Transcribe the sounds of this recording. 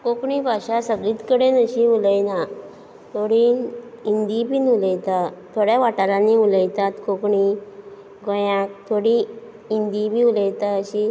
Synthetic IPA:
kokɳibaɕasəɡliːt̪kəɽenəɕiuləjna | t̪ʰoɽiːnind̪ibʱiːnuləjt̪at̪ʰːoɽjaʋaʈaɾaniuləjt̪at̪kokɳi | ɡɔjãk̚t̪ʰoɽi | ind̪ibʱiuləjt̪aəɕi

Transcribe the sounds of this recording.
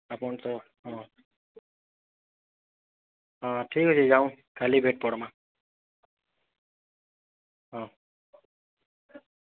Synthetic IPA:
apɔnt̪ɔ | ɦɔ̃ | ɔ̃ʈʰikɦosʰizaw̃ | kʰalibʱeʈ̚pɔɽma | ɔ̃

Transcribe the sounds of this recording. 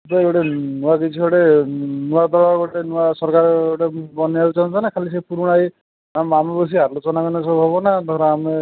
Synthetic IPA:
t̪ɔewʈenuaɡet͡ʃʰiɦɔɽenuad̪ɔɭaɡɔʈenuasɔɾkaɾewʈebɔneaut͡ʃãnt͡ʃʰɔnakʰalis̬epuɾuɽ̃aj | amamebɔs̬iaɾlot͡ʃɔnakɔnesɔbuɦɔbɔnad̪ʱɔɾɔame

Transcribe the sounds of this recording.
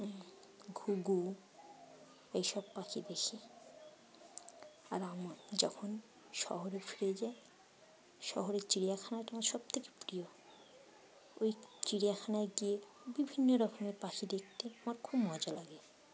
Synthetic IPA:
ɡʱuɡu | ejʃɔbpakʰid̪ekʰe | a̰ɾamad͡ʑɔkʰon | ʃɔ̰ɦoɾefʰiɾed͡ʑae | ʃɔ̰ɦoɾeɾt͡ɕiɽijakʰanaʈamaɾʃɔb̚t̪ʰeke̥pɾijo | ojt͡ɕiɽijakʰanaeɡie | bibʱinːoɾɔkomeɾpakʰid̪ek̚ʰt̪eamaɾkʰobmɔd͡ʑalaɡe

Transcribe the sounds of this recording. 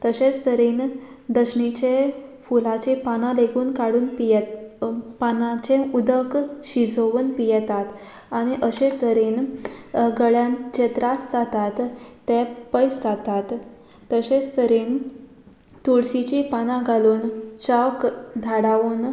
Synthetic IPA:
t̪əɕẽt͡st̪əɾiːn | d̪əɕɳit͡ɕefulat͡ɕepanãleɡuːnkaɽuːnpij̪ | panãt͡ɕẽud̪əkɕid͡zʱoʋuːnpijɛt̪at̪ | aɽ̃iʔəɕẽt̪əɾin | ɡəɭjãnt͡ɕet̪ɾasd͡zat̪at̪ːepəjsd͡zat̪at̪ː | əɕet͡st̪əɾiːn | t̪uɭsit͡ɕipanãɡʱaluːnt͡ɕəkd̪ʱaɽaʋuːn

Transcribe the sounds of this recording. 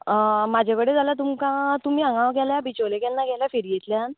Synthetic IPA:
mad͡ʑʱakəɽed͡zaljat̪umkãt̪um̤iːaŋɡãʋɡɛljabit͡ɕolekjanːaɡɛljafeɾijet̪ljaan

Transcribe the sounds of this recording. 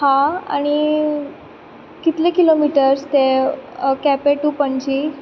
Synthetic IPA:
hãa̰ɽ̃i | kit̪lekilomiʈəɾst̪e | kɛpeʈupəɳd͡ʑi

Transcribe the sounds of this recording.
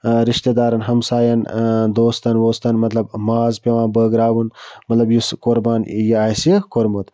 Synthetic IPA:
ɾiʃt̪ed̪aːɾɐnɦɐmsaːjɐnd̪oːst̪ɐnwoːst̪ɐnmɐt̪lɐbmaːzpʲɐʋãːnbəːɡɾaːwunmɐt̪lɐbjuskoɾbaːnjiaːsikoɾmut̪

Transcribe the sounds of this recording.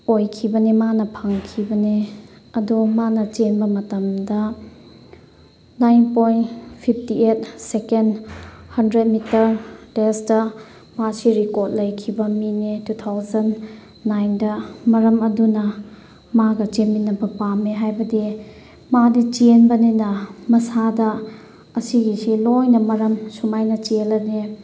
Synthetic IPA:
ojkʰibɐnimanɐpʰɐŋkʰibɐneɐdumanɐt͡ʃenbɐmɐtɐmdɐ | najnpojnpʰip̚ʰtiet̚sekenhɐndɾet̚mitɐɾtesdɐ | masiɾikoɾt̚lɐjkʰibɐminetut̪ʰawzɐnː | ajndɐmɐɾɐmɐdunɐ | maɡɐt͡ʃeminːɐbɐpameɦajbɐdi | madit͡ʃenbɐninɐmɐsadɐ | ɐsiɡisilojnɐmɐɾɐmsumajnɐt͡ʃelɐne

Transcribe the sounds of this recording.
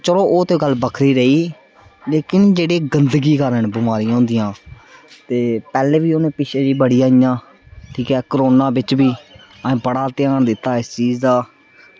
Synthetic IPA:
t͡ʃəɾoːoːt̪ẽːɡəlbəkʰɾiːɾəiː | leːkɪnd͡ʒeːɽeːɡənd̪ɡiːkəɾəɳbɪmaːɾijãːõːnd̪ɪjãː | t̪eːpɛːleːʋiːoːnẽːpɪt͡ʃʰeːd͡ʒiːbəɽijaːɪjãː | ʈʰiːkɛːkɾoːnaːbɪt͡ʃbiː | əẽːbəɽaːt̪ɪjaːɳd̪ɪt̪ːaːɪst͡ʃiːzd̪aː

